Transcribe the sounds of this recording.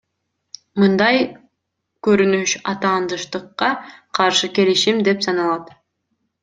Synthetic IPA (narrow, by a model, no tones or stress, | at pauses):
mɯnd̪ɑj | køɾynyʃɑt̪ɑːnd̪ɯʃt̪ɯqːɑqʰɑɾʃɯke̞liʃimd̪e̞psɑnɑlˠɑt̪